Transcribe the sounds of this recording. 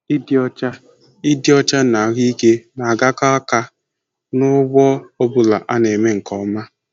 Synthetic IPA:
i˦di˦ɔ˦t͡ʃa˦ | i˦di˦ɔ˦t͡ʃa˦na˨ɣi˦ke˦na˨a˨ɡa˦ka˦a˦ka˦ | nʊ˦ɡ͡bɔ˦o˦bʊ˨la˨ʔa˦ne˨me˦ŋ̩˨kɔ˨˦ma˦

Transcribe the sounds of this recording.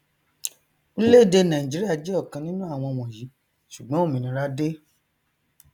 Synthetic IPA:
u˦le˦˨de˧nã˨ĩ˨d͡ʒi˨˦ɾi˦a˦˨d͡ʒe˦ɔ˦˨kã˧nĩ˦nũ˦a˦˨w̃ɔ̃˧w̃ɔ̃˨ji˨˦ | ʃu˨ɡ͡bɔ̃˨˦o˦˨mĩ˧nĩ˧ɾa˦de˦

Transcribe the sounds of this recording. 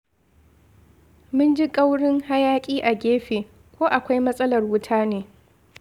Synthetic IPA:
mʊ˦nd͡ʒi˦kʼa˦wɽɪ˦ŋha˦jaː˦kʲʼiː˦ʔa˨ɡʲeː˦ɸeː˨ | kʷoː˦ʔa˨kʷa˦jmɐ˦sʼɐ˦lɐ˨rwʊ˦tʰaː˦neː˨

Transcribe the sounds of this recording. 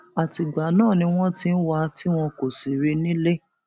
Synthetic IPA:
a˨ti˨ɡ͡ba˨nãː˦˨nĩ˧w̃ɔ̃˦ti˦n̩˦wa˧ti˦w̃ɔ̃˧ko˨si˨ɾi˧nĩ˦le˦

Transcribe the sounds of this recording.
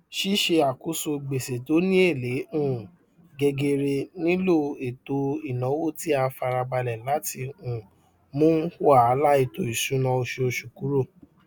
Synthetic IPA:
ʃi˦ʃe˧a˨ku˦so˧˨ɡ͡be˨se˨to˨˦nĩ˦e˦˨le˨˦ũ˦˨ | ɡɛ˧ɡe˧ɾe˧nĩ˦lo˦˨e˨to˨˦i˨nɔ̃˨˦wo˦˨ti˦a˧fa˧ɾa˧ɡ͡ba˧lɛ˨la˦ti˧ũ˨ | mõ˦hwa˦˨˧la˦i˧to˨i˨ʃũ˨˦nã˧o˧ʃe˧o˧ʃu˨ku˨˦ɾo˦˨

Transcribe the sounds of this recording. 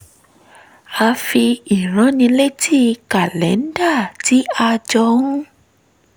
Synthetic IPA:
a˧fi˧i˨ɾ̃ã˨˦nĩ˧˦le˦˨ti˦ka˨lɛ˨˦n˦da˦˨ti˨˦a˧d͡ʒɔ˧ũ˦

